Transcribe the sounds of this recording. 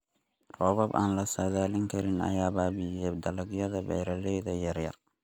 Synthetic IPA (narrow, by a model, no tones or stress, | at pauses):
rɔːβɐba̰ːnlɐsɐðaːlɪŋkʰɐɾɪnɐ̰jaːbaːbijɛd̪ɐlɐɡjɐðɐbɛ̰ɾɐlɛjðɐjɐrjɐr